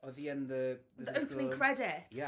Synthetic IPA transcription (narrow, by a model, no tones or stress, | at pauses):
ɔðiənðəðəʔəwpʰənɪ̃ŋkʰɹ̥ɛdɪta